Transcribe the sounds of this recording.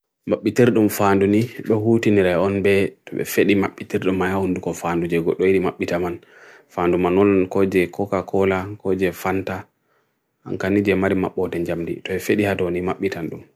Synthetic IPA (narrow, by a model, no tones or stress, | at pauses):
maɓːitiɾɗumfanduniɓɛhutiniɾɛɔnbɛtɔɓɛ̰feɗimaɓːitiɾɗumːanahundukɔfandud͡ʒɛɡɔɗːɔjiɗimaɓːitaman | fandumanɔnankɔd͡ʒɛkʰɔkakʰɔlakɔd͡ʒɛfanta | ʔa̰nkanid͡ʒɛmaɾima̰ɓːɔtɛɲd͡ʒamdḭtɔɓɛfeɗihadɔnimaɓːitanɗum